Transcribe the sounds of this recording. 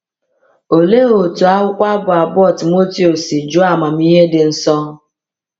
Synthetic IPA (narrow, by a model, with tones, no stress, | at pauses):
o˨le˦o˨tu˨a˦ɦʊ˦kʷa˦bʊ˨a˨bɔ˦˨ti˨mo˦ti˦o˨si˨d͡ʒʊ˦a˨ma˨m̩˦i˦ɦe˦dɪ˨n̩˨sɔ˦